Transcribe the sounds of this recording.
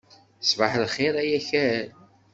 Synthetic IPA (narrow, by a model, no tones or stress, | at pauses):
svəħlχeɾæjæçæɾæɾ